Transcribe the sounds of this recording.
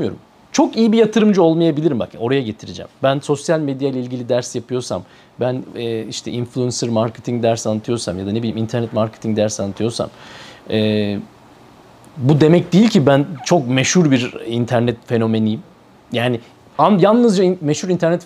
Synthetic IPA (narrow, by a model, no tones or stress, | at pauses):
mjo̞̰ɾṵm | t͡ʃʰo̞kijibijat̪ʰɯɾɯmd͡ʒɯo̞lˠmajabilʲiɾimba̰ko̞ɾajaɟe̞t̪ʰiɾid͡ʒɛ̰mbænso̞sjalʲmed̪jailʲɛilʲɟilʲid̪æɾsjapʰɯjo̞ɾsa̰m | bænɛːiʃt̪ʰɛinflʲˠuɛnsɯɾmaɾcʰet̪ʰiŋd̪æɾsanːat̪ʰɯjo̞ɾsamjad̪anebilʲimint̪ʰæɾnɛt̪maɾcʰet̪ʰiŋd̪æɾsanːat̪ʰɯjo̞ɾsa̰mɛ | bud̪e̞mɛc̚d̪ejilʲcʰibænt͡ʃʰo̞k̚meʃuɾbiɾint̪ʰæɾnɛt̪fe̞no̞me̞nijm | jaːnɪ | anjanˠnɯzd͡ʒaime̞ʃhuɾint̪ʰæɾnɛt̪